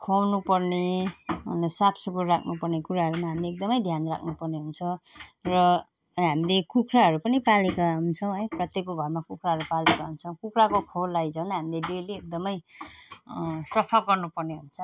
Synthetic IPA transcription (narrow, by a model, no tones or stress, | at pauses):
kʰʌwnupʌrneʌnʌsapʰsukurrakʰnupʌrnekuɾaɦʌɾumaɦamileːk̚d̪ʌmʌjd̪ʱjanrakʰnupʌrneɦunt͡sʰʌrʌ | ɦamilekukʰraɦʌɾupʌnipalekaɦunt͡sʰʌw̃ɦʌjprʌt̪jekoɡʱʌrmakukʰɾaɦʌɾupalekaɦunt͡sʰʌ̃w̃kukrakokʰowlːajd͡zʌwnaɦamileɖeliek̚d̪ʌmʌj | sʌpʰaɡʌrnupʌrneɦunt͡sʰʌ